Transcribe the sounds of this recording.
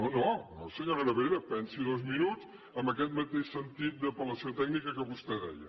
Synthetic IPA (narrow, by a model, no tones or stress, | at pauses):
nonono̰səɲoɾələβeɾəpɛnsiðozminut͡s | əmbəkɛt̪̚mət̪eʃsənt̪it̪̚d̪əpələsiot̪ɛɡnikəkəβust̪ɛðɛ̰jə̰